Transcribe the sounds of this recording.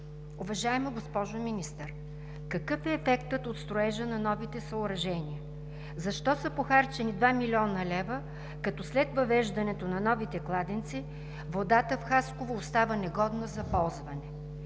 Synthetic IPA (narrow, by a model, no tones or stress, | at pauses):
ʊvɐʒaɛmɐɡospɔʒominist̪əɾ | kɐkɤfɛːfɛkt̪ət̪ot̪st̪ɾʊɛʒənɐnɔvit̪ɛsɐʊɾɐʒɛnʲiə | zɐʃt̪ɔsɐpoxaɾt͡ʃɛnid̪vamilʲiɔnɐlɛvə | kɐt̪ɔslɛt̪vɐvɛʒd̪ɐnɛt̪onɐnɔvit̪ɛklˠad̪ɛnt̪si | vod̪at̪əfxaskovoːst̪avənɛɡɔd̪nəzɐpɔlˠzvɐnɛ